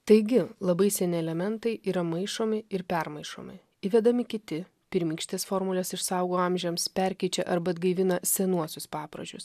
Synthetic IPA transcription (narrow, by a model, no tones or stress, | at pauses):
t̪ɐɪɡʲɪlˠɐbɐɪsʲɛnʲɪɛlʲɛmʲɛnt̪ɐɪʔiːɾɐmɐɪʃoːmʲɪɪɾpʲɛɾmɐɪʃo̰ːmʲɪ̰ | ɪʋʲɛd̪ɐmʲɪkʲɪt̪ʲɪ | pʲɪɾʲmʲiːkʃʲt̪ʲeːsfoːɾmʊlʲɛsɪʃsɐʊɡoːɑmʲʒʲɛmspʲɛɾʲkʲɛɪt͡ʃʲɛʔɐɾbɐd̪ɡɐɪʋʲɪnɐsʲɛnuɔsʲʊspɑːpɾɐ̰ʒʲʊs